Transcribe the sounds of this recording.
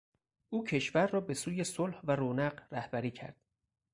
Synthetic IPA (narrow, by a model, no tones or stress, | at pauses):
ʔuːcʰe̞ʃvæɾrɒːbe̞suːje̞solhvæɾoːnæɢræhbæɾiːkcʰæ̰ɾd̪̥